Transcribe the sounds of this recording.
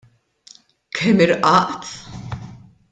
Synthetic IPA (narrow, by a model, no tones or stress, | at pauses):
kʰɛmɪɾʔɐʔt̪